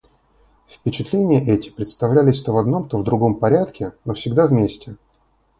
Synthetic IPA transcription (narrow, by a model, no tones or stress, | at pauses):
fpʲɪt͡ɕɪt̪lʲenʲɪjəʔɛtʲɪ̥pɾʲɪt̪st̪ɐvlʲælʲɪsʲt̪ovɐd̪no̞mt̪ovd̪ɾʊɡo̞mpɐɾʲat̪kʲɪnofsʲɪɡd̪avmʲesʲtʲɪ